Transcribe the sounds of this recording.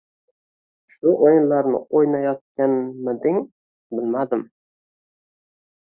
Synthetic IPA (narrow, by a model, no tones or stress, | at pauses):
ʃʊʔojɪnlaɾnɪ̰ojnajɒt̪̚kʲanmɪd̪ɪŋ | bɪlmad̪ɪm